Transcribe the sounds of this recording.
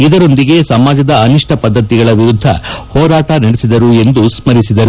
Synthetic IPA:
id̪ɐɾo̞nd̪iɡe̞sɐmaːd͡ʒɐd̪ɐːniʂʈʰɐpɐd̪ʱːɐt̪iɡɐɭɐʋiɾud̪ʱːɐ̰hɔːɾaːʈɐnɐɽesid̪ɐɾue̞nd̪usmɐɾisid̪ɐɾu

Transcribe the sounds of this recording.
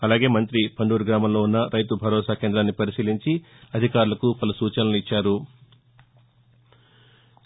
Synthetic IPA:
ɐlaːɡe̞ːmɐnt̪ɾipʰɐɳɖuːɾuɡɾaːmɐmlo̞ːunːɐɾɐjt̪ubʱɐɾɔːsaːkeːnd̪ɾaːnːipɐɾisiːliɲt͡ʃi | ɐd̪ʱikaːɾulɐkupɐlɐsuːt͡ʃɐnɐluit͡ʃːaːɾu

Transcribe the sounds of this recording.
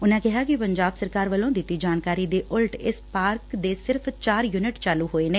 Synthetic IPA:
ʊnãːkɪɦaːkɪpəɲd͡ʒaːbsəɾkaːɾʋəlːõːd̪ɪt̪ːiːd͡ʒaːnkaːɾiːd̪eːʔʊlʈɪspaːɾkd̪eːsɪɾpʰt͡ʃaːɾjuːnɪʈt͡ʃaːluːɦoːeːneː

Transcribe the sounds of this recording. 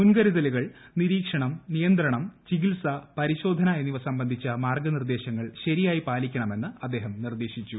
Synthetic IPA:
munɡɐɾiðɐluɣɐɭniɾiːkʂɐɳɐmnijɐnd̪ɾɐɳɐmt͡ɕiɣilsɐpɐɾiɕo̞ːd̪ʱɐnajenːiʋɐsɐmbɐnd̪ʱit͡ɕːɐmaːrɡɐnird̪e̞ːɕɐŋːɐɭɕɐɾijaːjipaːlikʲːɐɳɐme̞nːɨɐd̪ːeːɦɐmnird̪e̞ːɕit͡ɕːu

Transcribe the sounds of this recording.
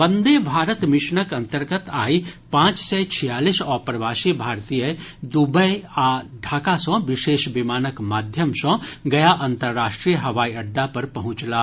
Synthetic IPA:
bɐ̃nd̪ebʱaːɾət̪mɪʃɳəkɐ̃nt̪əɾɡət̪aːipãːt͡ʃsɛt͡ʃʰijaːlisɔːpɾɐʋaːʃibʱaːɾt̪iːjəd̪ubəjaːɖʱaːkasɔ̃ʋɪʃeːʃbɪmaːnəkmaːd̪ʱjəmsɔ̃ɡɐjaʔə̃nt̪əɾːaːʃʈɾijəɦɐʋaːiɐɖːapɐɾpɐɦʊ̃t͡ʃlaː

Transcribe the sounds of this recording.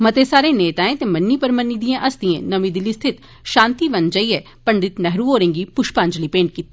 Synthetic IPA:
mət̪esaːɾeːneːt̪aːẽːt̪emɐnːipɐɾmənːiːd̪ijãʔɐsd̪iḛ̃ːnɐmĩd̪ɪlist̪ʰɪt̪ | ʃãːnt̪iʋɐnd͡ʒəiɛː | pəɳɖɪt̪nɛɦɾũoːɾẽːŋɡipʊʃpãːnd͡ʒlipẽːɳʈ̚kiːt̪ːi

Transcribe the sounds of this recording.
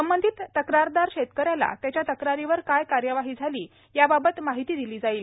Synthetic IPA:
səmbənd̪ʱit̪ːəkɾaɾd̪aɾɕet̪kəɾjala̰t̪jat͡ɕjat̪əkɾaɾiʋəɾkajkaɾjəʋaɦiːd͡zʱaliː | jababət̪maɦit̪iːd̪iliːd͡zaiːl

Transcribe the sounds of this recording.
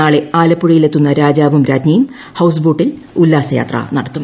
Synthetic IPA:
aːɭe̞aːlɐpːuɽijile̞t̪ːunːɐɾaːd͡ʑaːbumɾaːd͡ʑɲɐjum | hɐws̬buːʈːil | ulːaːsɐja̰ːt̪rɐ̰nɐɽɐt̪ːum

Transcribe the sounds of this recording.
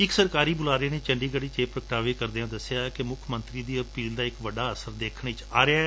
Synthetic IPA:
ɪksəɾkaːɾiːbʊlaːɾẽːneːt͡ʃəɳɖiːɡəɽiːt͡ʃeːpɾəkʈaːʋeːkəɾd̪eãːd̪əsːɪjaːkemʊkʰmə̃nt̪ɾiːd̪iːəpiːld̪aːɪkʋəɖːaːəsəɾd̪eːkʰɳɪt͡ʃaːɾea

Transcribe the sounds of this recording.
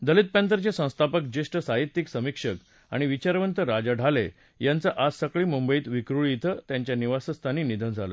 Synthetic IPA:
d̪əlit̪̚pɛ̃nt̪̬əɾt͡ɕesə̃w̃st̪ʰapək̚d͡ʑeʂʈəsaɦit̪ːiksəmikʂək | a̰ɽ̃iʋit͡ɕaɾʋənt̪əɾad͡ʑaɖʱalḛ | jant͡səʔassəkɭiːmumbəiːt̪ʋikɾuɭit̪ʰət̪jãɲt͡ɕjaniʋasəst̪ʰaniːnid̪ʱənd͡zʱalə̰

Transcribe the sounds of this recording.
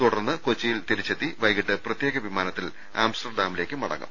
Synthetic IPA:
t̪uɽɐrnːɨkot͡ɕːijilt̪iɾit͡ɕːɐt̪ːiʋɐjɣiʈːɨprɐt̪jeːɣɐʋimaːnɐt̪ːil | a̰ːmsʈɐrɖaːmile̞ːkːɨmɐ̰ɽɐ̰ŋːɐ̰m

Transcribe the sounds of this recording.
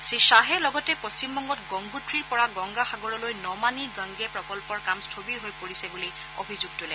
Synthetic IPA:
siʃaɦɛlɔɡɔtɛpost͡ɕimbɔŋɡɔtɡɔŋɡʱutʰɹiɹpɔɹaɡɔŋɡaxaɡɔɹɔlojnɔmaniɡəŋɡɛpɹɔkɔlpɔɹkamstʰobiɹɦojpoɹisɛbuli | o̰bʱizuɡ̚tulɛ

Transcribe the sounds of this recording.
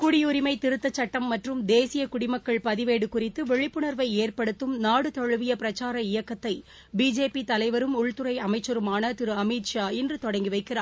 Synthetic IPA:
kʊɽɪjʊɾɪmɐɪt̪ɪɾɯt̪ːɐt͡ʃːɐʈːɐmːɐʈrɯmd̪eːsɪjɐkʊɽɪmɐkːɐɭpɐðɪʋeːɽɯkʊrɪt̪ːɯʋɛɻɪpːɯɳɐɾʋɐɪeːrpɐɽɯt̪ːɯmnaːɽɯt̪ɔɻɯʋɪjɐpɪɾɐt͡ʃːaːɾɐɪjɐkːɐt̪ːɐɪ | biːd͡ʒeːpit̪ɐlɐɪʋɐɾɯmʊɭt̪ɯɾɐɪɐmɐɪt͡ʃːɐɾɯmaːnɐt̪ɪɾɯɐmiːt̪ʂaːɪndrɯt̪ɔɽɐŋɡiʋɐɪkːɪraː

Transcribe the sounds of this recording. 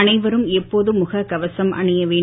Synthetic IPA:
ɐnɐɪʋɐɾɯmɛpːoːðɯmʊɣɐkɐʋɐsɐmʔɐ̰ɳɪjɐʋeː

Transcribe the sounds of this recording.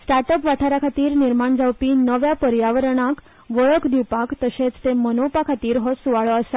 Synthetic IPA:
sʈaɾʈəpʋaʈʰaɾakʰat̪iːɾniɾmaɳd͡zawpiːnəʋjapəɾjaʋəɾɳ̃ak | ʋəɭəkd̪iwpakt̪əɕet͡st̪emənopakʰat̪iːɾɦɔsuʋaɭəəsa

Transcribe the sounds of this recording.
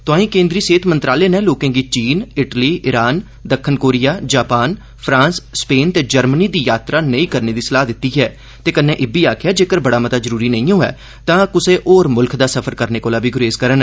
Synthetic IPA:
t̪ʊãːĩːkẽːnd̪ɾiːseːt̪ʰmənt̪ɾaːleːnẽːloːkẽːɡiːt͡ʃiːnɪʈliːʔɪɾaːn | d̪əkʰːənkoːɾɪjaːd͡ʒaːpaːn | pʰɾãːnsspeːnt̪eːd͡ʒəɾməniːd̪iːjaːt̪ɾaːnəĩːkəɾneːd̪iːsəlaːɦd̪ɪt̪ːiːɦɛː | t̪eːkənːẽːʔɪbiːaːkʰɪjaːd͡ʒeːkəɾbəɽaːmət̪aːzəɾuːɾiːnəĩːõːɛ̰ː | t̪ãːkʊseːʔoːɾmʊlkʰd̪aːsəpʰəɾkəɾneːkoːlaːbiːɡʊɾeːzkəɾən

